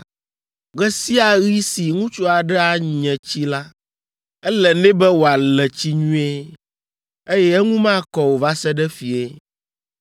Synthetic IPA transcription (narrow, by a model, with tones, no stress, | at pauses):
ɡɛ˦si˦a˨ɣi˦si˨ŋũ˦t͡ʃo˦a˨ɖɛ˦a˨ɲ˨ɲɛ̃˨t͡ɕi˦la˦ | ɛ˦lɛ˨nɛ̃˦bɛ˦wo˨a˨lɛ˨t͡ɕi˦ɲũ˦e˦ | e˦jɛ˦ɛ˦ŋũ˦mã˦˨kɔ˨wo˨va˦sɛ˦ɖɛ˦fi˨e˦